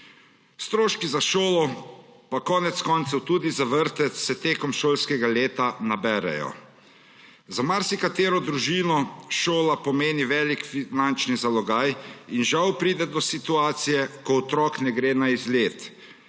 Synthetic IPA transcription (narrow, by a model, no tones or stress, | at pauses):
st̪ɾoːʃkizaʃoːlɔpakɔːnɛt̪skɔnt̪sɔwt̪uːd̪izaʋəɾt̪ɛt̪sɛt̪eːkɔmʃoːlskɛɡaleːt̪anabɛːɾɛ̰jɔ̰ | zamaɾsikat̪eːɾɔd̪ɾuʒiːnɔʃoːlapɔmeːniʋɛːlikfinant͡ʃnizalɔɡaːjinʒawpɾiːd̪ɛd̪ɔsit̪uaːt̪sijɛkɔɔt̪ɾɔknɛɡɾeːnaizleːt̪